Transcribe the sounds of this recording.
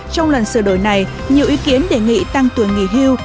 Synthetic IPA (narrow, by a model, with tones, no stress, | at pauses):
t͡ɕɔ˧wŋ͡mlə˨˩nsɨ˧˩ɗo̰˧˩jna˨˩j | ɲi˨˩əwʔi˨˦ki˨˦ənɗe˧˩ŋḭ˧˨t̪a˧ŋt̪ɨ˨˩əŋŋḭ˧˨ɦi˧w